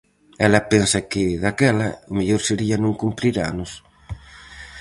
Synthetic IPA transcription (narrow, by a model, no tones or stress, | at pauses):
ɛlapɛnsɐkɪðakɛlaʊmeʎoɾseɾianũŋkumpɾiɾa̰nʊs